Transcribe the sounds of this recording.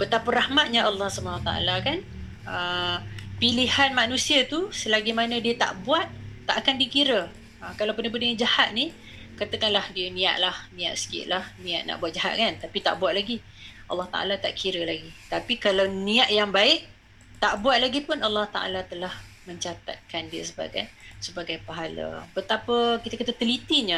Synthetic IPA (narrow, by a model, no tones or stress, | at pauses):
bət̪apaɾahmat̪̚ɲaʔɑlːɑhsəbənwat̪a̰ʔa̰lakan | ə | pilihanmanũsiat̪usəlaɡimanə̃diət̪a̰ʔbuat̪̚ːaʔakandikiɾə | əkalawpəndap̬əndəjad͡ʒahat̪̚ni | kat̪əkanlahdiənĩa̰ʔ̪̚lahnĩaʔ̪sə̥kɪ̰t̪̚lahnĩaʔ̪̚na̰ʔbuat̪̚d͡ʒaɦa̰t̪̚kant̪apit̪a̰ʔbuat̪̚laɡi | ɑ̰lːɑht̪a̰ʔa̰lat̪a̰ʔkʰiɾəlaɡit̪apikalawniaʔjaŋbaɪʔ | t̪aʔbuat̪̚laɡipʊnɑlːɑht̪a̰ʔa̰lat̪əlah | mə̃ɲt͡ʃat̪a̰t̪̚kandiə̰səba̰ɡa̰jsəbaɡajpaɦala̰pət̪apəkit̪akat̪at̪əlit̪iɲə